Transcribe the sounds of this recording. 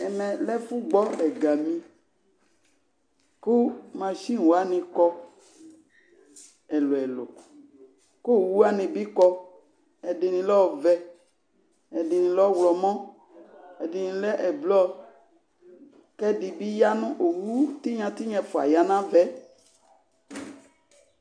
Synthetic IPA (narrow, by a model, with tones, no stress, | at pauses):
ɛ˨mɛ̃˨lɛ˦fu˦ɡ͡bɔ˦ɛ˨ɡa˨mĩ˨ | ku˦mã˨ʃi˦˨wo˨a˦nĩ˧kɔ˧ | ɛ˨lo˨ɛ˨lo˨ | ko˦˨wu˦a˦nĩ˧bi˦kɔ˧ | ɛ˨dɪ˨nĩ˨lɔ˦˨vɛ˦ | ɛ˨dɪ˨nɪ̃˨lɔ˦wlɔ˨mɔ̃˦ | ɛ˨dɪ˨nɪ̃˧lɛ˦ʔblɔ˦ | kɛ˦dɪ˨bi˦ja˦nʊ̃˦ʔo˨wu˦t̪i˦ɲã˨t̪i˦ɲɛ̃˨fʊ˨a̰˨ja˨nã˦vɛ˦